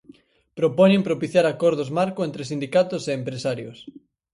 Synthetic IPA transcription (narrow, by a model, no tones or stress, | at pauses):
pɾopɔɲẽmpɾopiθjaɾakɔɾð̞ozmaɾkʊent̪ɾesind̪ikat̪ʊseːmpɾesaɾjʊs